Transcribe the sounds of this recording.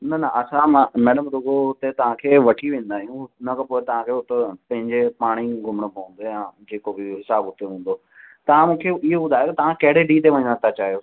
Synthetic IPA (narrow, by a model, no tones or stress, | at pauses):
nɐnəʔɐsãmãmɛːɖəmɾʊɡoɦʊt̪et̪ɐʋ̤ãkʰeːʋɐʈʰiʋẽːn̆d̪aːɦijũnɐkʰəpoːɪt̪ɐʋ̤ãkʰeːʊt̪epɐ̃ɦɪ̃ɲd͡ʑepaːɽ̃iɡʱʊməɽ̃əpɐə̃nd̪eãːd͡ʑeːkobɪɦɪsaːbɦʊt̪eɦũːn̆d̪oː | t̪ɐʋ̤ãmũːkʰeɪɦobʊd̪ʱaːjot̪ɐt̪ɐʋ̤ãkɐɦɪɽeɖiːt̪̬eʋɐɲə̃d̪at̪ʰat͡ɕaːɦijoː